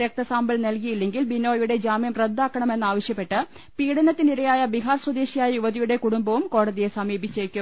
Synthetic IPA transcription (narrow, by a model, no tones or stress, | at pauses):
ɾɐk̚t̪ɐsaːmbɐlnɐlkijilːe̞ŋɡilbino̞ːjuɽe̞d͡ʑaːmjɐmred̪ːaːkːɐɳɐme̞nːaːʋɐɕjɐpːe̞ʈːɨ | piːɽɐnɐt̪ːiniɾɐjaːjɐbiɦaːrswɐd̪e̞ːɕijaːjɐjuʋɐðijuɽe̞kuɽumbɐʋumko̞ːɽɐðijesɐmiːbit͡ɕːekʲːum